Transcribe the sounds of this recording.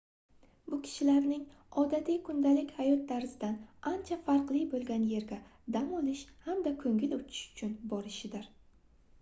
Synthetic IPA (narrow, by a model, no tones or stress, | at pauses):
bʊkʲʰɪ̥ʃɪlaɾnɪŋ | ɒd̪at̪ʰikʰʊnd̪alɪkʲhajɒt̪̚d̪aɾzɪd̪anant͡ʃʰafaɾqlˠɪjbolˠɡʲanje̞ɾɡʲad̪amɒlɪʃhamd̪akʰɵŋɪlot͡ʃ̪ʰɪ̥ʃʊ̥t͡ʃʰʊnbɒɾɪʃɪd̪ɪɾ